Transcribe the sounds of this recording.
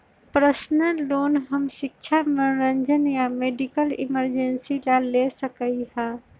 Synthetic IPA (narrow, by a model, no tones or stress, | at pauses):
pɾəsnəloːnɦəmʃɪk̚t͡ʃʰaməɾənd͡ʒənjameɖikəlḭməɾd͡ʒensilalesəkəihã